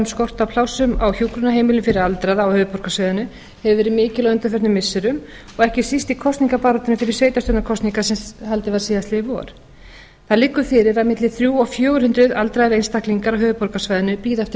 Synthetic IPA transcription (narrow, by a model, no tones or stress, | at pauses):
mskɔr̥t̪apʰlawsʏma̰wçjuːkɾʏnaheːjmɪlnʏfɪɾɪɾalt̪ɾaðaawhœːvʏpɔɾ̥kasvajðʏnʏ | hɛvʏvɛːɾɪmɪːcɪlœʏnt̪aɾfɛɾt̪nʏmːɪsːɪɾʏm | ɔɣɛhcɪsist̪ikʰɔst̪niŋkapaːɾɔt̪ɪnʏfɪɾɪ̥ɾsvejt̪ast̪œnakʰɔst̪niŋkasɛhalt̪ɪvaɾsiːast̪lɪvɔ̰ːɾ̥ | θaðlɪkːʏfɪːɾɪɾaðmɪt̪lɪθɾjuːɔfjœːɣʏɾ̥hʏnt̪ɾɪðalt̪ɾaðɾejnst̪akliŋkaɾawɦœːvʏpɔɾkasvajðɪnʏpiːðaft̪ɪ